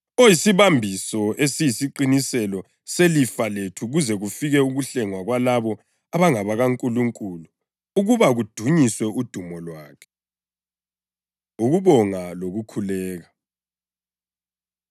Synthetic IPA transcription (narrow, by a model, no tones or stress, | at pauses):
ojisiβambʱisɔesijisiǃinisɛlɔ | selifaletʰuɣuzɛɣufiɣɛuɣuɬɛŋwaɣwalaβɔ | aβaŋaβaɣaŋkʼuluŋkʼulu | uɣuβaɣud̥ʱuɲiswɛud̥ʱumɔlwaːkʰɛ̥ | uɣuβɔŋaloɣukʰulɛːɣa